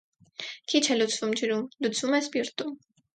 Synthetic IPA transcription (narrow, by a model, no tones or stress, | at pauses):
kʰit͡ʃʰɛlut͡sʰvumd͡ʒəɾumlut͡sʰvumɛspiɾt̪um